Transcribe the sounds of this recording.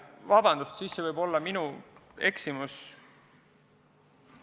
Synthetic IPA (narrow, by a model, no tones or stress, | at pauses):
vɑbɑnd̪̥ust̪sisːevɤjbo̞lːɑminue̞ksimus